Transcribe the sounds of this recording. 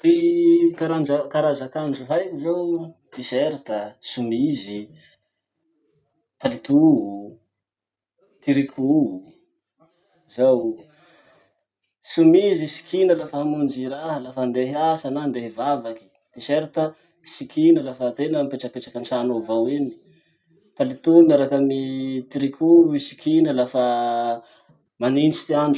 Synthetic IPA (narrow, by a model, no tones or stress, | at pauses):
t̪ikaɾand͡ʒakaɾazakand͡ʒuɦajkuzawt̪iseɾit̪əsumizi | palit̪uɦu | t̪iɾikʰʲuɦu | zaw | sumizisi̥kʰinalafəɦamund͡ʒiɾaɦəlafand̪eɦasanand̪eɦivavaki̥ | t̪iʃeɾit̪ə | sikʰinalafət̪enəmpeʈ͡ʂəkpeʈ͡ʂakənʈ͡ʂanovawini̥ | palit̪umaɾakamit̪iɾikʰʲuisi̥kʰinəlafə | maninisi̥t̪iaɳɖ͡ʐu̥